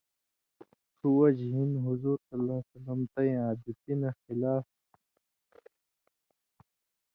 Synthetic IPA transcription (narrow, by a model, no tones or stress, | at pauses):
suwɐd͡ʑɦinɦuzuːɾsɐlaːsɐlɐmt̪ɐj̃aːd̪it̪inɐxilaːf